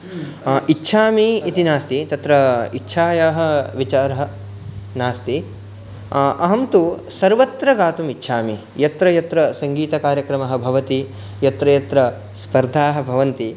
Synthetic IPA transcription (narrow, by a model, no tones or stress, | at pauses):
itːʃʰaːmiːt̪inaːst̪it̪ɐt̪ɾɐitːʃʰaːjaɦɐ̆ʋit͡ʃaːɾɐɦɐ̆ | naːst̪i | ɐɦɐmt̪usɐɾʋɐt̪ɾɐɡaːt̪umitːʃʰaːmi | jɐt̪ɾɐjɐt̪ɾɐsɐŋɡiːt̪ɐkaːɾjɐkɾɐmɐɦɐ̆bʱɐʋɐt̪i | jɐt̪ɾɐjɐt̪ɾɐ | spɐɾd̪ʱaːɦɐ̆bʱɐʋɐnt̪i